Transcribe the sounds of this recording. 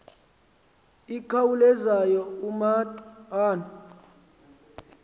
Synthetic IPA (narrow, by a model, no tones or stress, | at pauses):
ikʰawulɛzajɔumatʼaːnɔ